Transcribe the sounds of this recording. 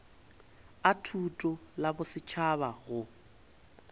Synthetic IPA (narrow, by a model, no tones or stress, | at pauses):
atʰutʼɔlabʊsɪt͡ʃʰaβaɣʊ